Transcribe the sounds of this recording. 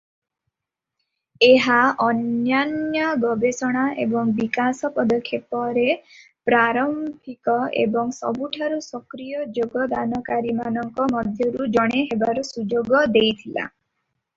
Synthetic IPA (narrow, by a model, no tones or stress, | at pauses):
eɦaɔnjanjɔɡɔbesɔɽ̃aḛbɔŋbikasɔpɔd̪ɔkʰːjepɔɾe | pɾaɾɔmbʱikɔḛbɔŋsɔ̰buʈʰaɾusɔkɾijɔd͡ʒoɡɔd̪anɔkaɾimanɔŋkɔmɔd̪ʱjɔɾud͡ʒɔɽ̃eɦebaɾɔsud͡ʒoɡɔd̪ejt̪ʰila̰